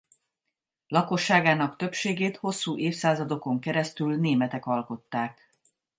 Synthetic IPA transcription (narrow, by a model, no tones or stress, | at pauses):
lɒko̞ʃːaːɡaːnɒkt̪ø̞pʃeːɡeːt̪ho̞sːuːʔeːfsaːzɒd̪o̞ko̞ŋkɛɾɛst̪ylneːmɛt̪ɛkɒlko̞t̪ːaːk